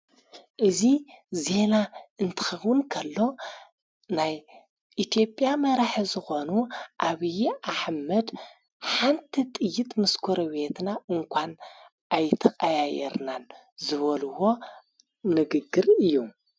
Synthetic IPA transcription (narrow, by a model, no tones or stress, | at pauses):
ʔɨzize̞naɨnt̪ʰɨ̥xɐxwɨnkʰɐlːo̞ | naj | ʔit̪ʰjo̞pʼjamɐɾaħizɨxo̞nuʔaβɨjʔaħmɐd̪ | ħant̪ʰit̪ʼɨjːɪt̪ʼmɨskʰuɾɐβe̞t̪naʔɨŋkʷʰan | ʔajt̪ʰɐxʼɐjajɛ̰ɾnan | zɨβɐluwo̞ | nɨɡɨɡːɨɾɨjːu